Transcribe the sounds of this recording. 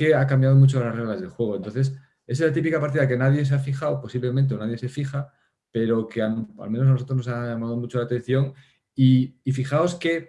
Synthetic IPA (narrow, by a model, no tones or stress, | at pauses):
ke̞akambjað̞o̞mut͡ʃolasre̞ɣlazðelxwe̞ɣ̞o̞ent̪o̞nθe̞s̬ | e̞s̬lat̪ipikapaɾt̪iðake̞naðje̞s̬eafixawpo̞siβlemẽnt̪eo̞naðje̞se̞fixa | pe̞ɾo̞keana̰lmenoanosot̪ɾo̞znosaʝamað̞o̞mut͡ʃolaːt̪e̞n̟θjo̞ŋ | iːfixaoske̞